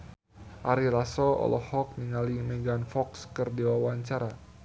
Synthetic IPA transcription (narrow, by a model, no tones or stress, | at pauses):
ʔaɾilasɔɔ̰lɔhɔk̚niŋalimɛɡanfɔkskərdiwawaɲt͡ʃaɾa